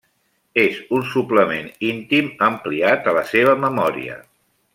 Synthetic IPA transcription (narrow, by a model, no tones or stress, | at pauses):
ezunsupləmenint̪iməmpliat̪ələseβ̞əməmɔɾḭə̰